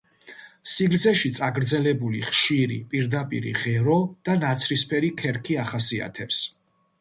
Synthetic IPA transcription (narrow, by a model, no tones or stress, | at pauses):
siɡld̪zɛʃit̪sʼaɡɾd̪zɛlɛbuliχʃiɾḭpʼiɾd̪apʼḭɾḭʁɛɾɔd̪̥anat̪sʰɾispʰɛɾikʰɛɾkʰiaχasia̰t̪ʰɛps